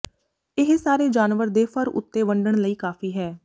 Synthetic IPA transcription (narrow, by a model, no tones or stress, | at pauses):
ɪɦsaːɾeːd͡ʒaːnʋəɾd̪eːfʰəɾʊ̰t̪ːeːʋəɳɖəɳləiːkaːfiːɦɛː